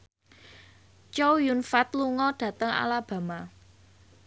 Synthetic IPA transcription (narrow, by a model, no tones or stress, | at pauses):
t͡ʃowjunfat̪̚luŋɔɖ̥ä̤t̪əŋa̰lab̥ä̤ma